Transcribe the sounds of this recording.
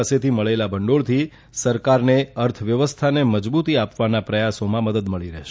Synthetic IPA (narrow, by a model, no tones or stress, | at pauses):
aset̪iməɭelabəɳɖoɭt̪ʰi | səɾkaɾneəɾt̪ʰəʋjəʋəst̪ʰaneməd͡ʒbut̪iapʋanapɾəjasomãməd̪əd̪məɭiɾɛ̰ɦʃ